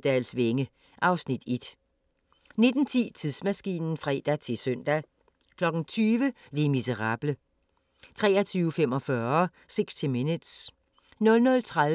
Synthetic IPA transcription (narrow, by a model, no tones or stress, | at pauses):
d̥ɛːlsʋeŋə | ʔɑ̈ʊsnid̥e̝d̥ | ne̝d̥n̩t͡sʰḭːt͡sʰiðˠsmæsɡ̥ḭːnn̩fʁɛd̥æt͡sʰe̝lsœn̰d̥æ | kʰlɒ̽ɡ̥n̩t͡sʰyːʋəlimisəʁɑ̈ːb̥lə | t͡sʰʁɛ̰ːɐt͡sʰyːʊəfem̰ɒ̽fɶɐɐ | seɡ̥sd̥ʰiminud̥s | nɔ̽lnɔ̽lt͡sʰʁa